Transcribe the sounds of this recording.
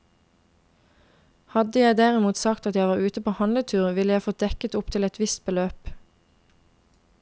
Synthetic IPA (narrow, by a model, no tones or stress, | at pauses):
hɑd̪əjæɪd̪æːʁɪmuːt̪sɑkt̪ɑt̪jæɪʋɑːʁʉːt̪əpʰoːhɑnlət̪ʰʉːʁʋɪləjæɪfoːd̪̥ɛkət̪ʊpt̪ʰɪlɛt̪ʋɪst̪̚bəløːp